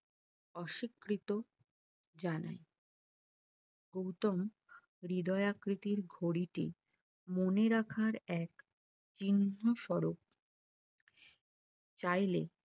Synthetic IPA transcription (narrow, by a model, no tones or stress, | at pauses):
ɔʃikːɾit̪o | d͡ʑana̰j | ɡ̥owt̪om | ɾid̪ɔeakɾit̪iɾɡʱoɽiʈḭ | moneɾakʰaɾɛk | t͡ɕinːoʃɔɾok̚ | t͡ɕajlḛ